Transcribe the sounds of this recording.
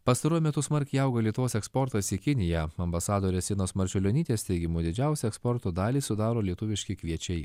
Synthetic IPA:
pɐst̪ɐɾuɔjmʲɛt̪ʊsmɐɾʲkʲɪɐʊɡolʲiɛt̪ʊʋoːsɛkspɔɾt̪ɐsikʲɪnʲɪjæɐmbɐsɑːd̪oːɾʲɛsʲɪːnoːsmɐɾʲt͡ʃʲʊlʲonʲiːt̪ʲeːst̪ʲɛɪɡʲɪmuːd̪ʲɪd͡ʒʲæˑʊsʲɛɛkspɔɾt̪oːd̪ɑːlʲiːsʊd̪ɑːɾoːlʲiɛt̪ʊʋʲɪʃʲkʲɪkʋʲiɛt͡ʃʲɛɪ

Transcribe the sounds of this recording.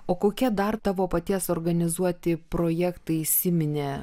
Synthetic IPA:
oːkoːkʲiɛd̪ɐɾt̪ɑːʋoːpɐt̪ʲiɛsoːɾɡɐnʲɪzuɔt̪ʲɪpɾoːjɛkt̪ɐɪisʲɪmʲɪnʲeː

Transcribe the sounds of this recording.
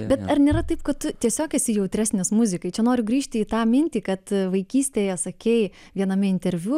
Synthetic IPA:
bʲɛt̪ɐrnʲeːɾɐt̪ɐɪpkɐtt̪ʊt̪ʲiɛsʲoːkʲɛsʲɪjɛʊt̪ʲɾʲæːsʲnʲɪsmʊzʲɪkɐɪt͡ʃʲɛnoːɾʲʊɡɾʲiːʃʲt̪ʲɪiːt̪ɑːmʲɪnʲt̪ʲiːkɐt̪ʋɐɪkʲiːsʲt̪ʲeːjɛsɐkʲeɪ | ʋʲiɛnɐmʲɪɪnʲt̪ʲɛɾʲʋʲu

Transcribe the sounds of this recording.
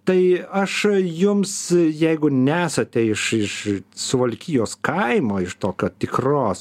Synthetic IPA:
t̪ɐɪɐʃjʊmsjɛɪɡʊnʲæːsɐt̪ʲɛɪʃɪʃsʊʋɐlʲkʲiːjoːskɐɪmoːɪʃt̪oːkʲoːt̪ʲɪkroːs

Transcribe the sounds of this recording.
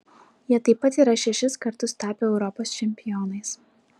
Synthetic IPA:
jiɛt̪ɐɪpːɐt̪iːɾɐʃʲɛʃʲɪskɐɾt̪ʊst̪ɑːpʲeɛʊɾɔpoːst͡ʃʲɛmʲpʲɪjɔːnɐɪs

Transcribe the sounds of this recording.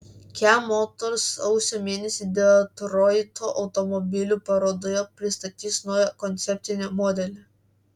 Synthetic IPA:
kʲæmoːt̪oɾsɐʊsʲoːmʲeːnʲɛsʲiːd̪ʲelˠt̪ɾɔɪt̪ʰoːʔɒʊt̪ɔmɔbʲɪlʲuːpɐɾoːd̪oːjɛpʲɾʲɪst̪ɐt̪ʲiːsnɔːjɛkɔnʲt̪sʲɛpʲt̪ʲɪnʲomɔːd̪ʲɛlʲɛ

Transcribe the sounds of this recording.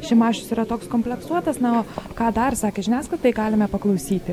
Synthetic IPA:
ʃʲɪmɑːʃʲʊsiːɾɐt̪oːkskoːmʲpʲlʲɛksuɔt̪ɐsnɐoːkɑːd̪ɐrsɑːkʲeʒʲɪnʲæːsklɐt̪ɐɪɡɑːlʲɪmʲɛpɐklˠɐʊsʲiːt̪ʲɪ

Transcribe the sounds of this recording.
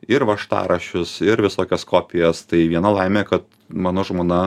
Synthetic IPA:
ɪɾʋɐʃt̪ɑ̰ːɾɐʃʲʊsɪɾʋʲɪsoːkʲɛskoːpʲɪjɛst̪ɐɪʋʲiɛnɐlˠɐɪmʲeːkɐt̪ | mɑːnoːʒmoːnɐ

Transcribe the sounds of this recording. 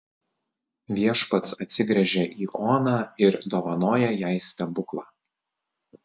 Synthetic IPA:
ʋʲiɛʃpɐt̪sɐt̪ʲsʲɪɡɾʲɛʒʲɛʔiːʔoːnɑːɪɾd̪oːʋɐnoːjɛjæˑɪsʲt̪ʲɛbʊklˠɑː

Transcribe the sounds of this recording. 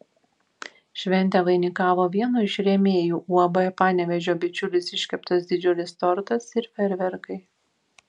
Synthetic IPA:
ʃʲʋʲɛnʲt̪ʲɛʋɐɪnʲɪkɑːʋoːʋʲiɛnuɪʃʲɾʲɛmʲeːjuːʔuɔbojɛpɑːnʲɛʋʲɛʒʲoːbʲɪt͡ʃʲʊlʲɪsɪʃʲkʲɛpt̪os̬d̪ʲɪd͡ʒʲʊlʲɪst̪ɔɾt̪ɐsɪɾfʲɛɾʲʋʲɛɾkɐɪ

